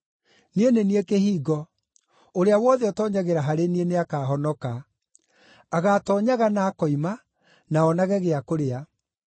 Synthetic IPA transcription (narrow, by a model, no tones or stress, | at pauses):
nieneniekehiːɣɔ | oɾeawɔːðeɔtɔɲaɣeɾaɦaɾenieneakaːɦɔnɔka | aɣatɔɲaɣanakɔima | naɔnaɣɛɣeakoɾea